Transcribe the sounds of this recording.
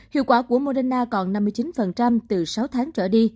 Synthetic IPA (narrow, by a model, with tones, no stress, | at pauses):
hḭ˧˨kwaː˧˩ku˧˩əmo˧ɗa˧naː˧kɔ˨˩nna˧mːɨ˧əjt͡ɕi˨˦nfə˨˩nt͡ɕa˧mt̪ɨ˨˩sa˨˦wt̪ʰaː˨˦ŋt͡ɕəː˧˩ɗi˧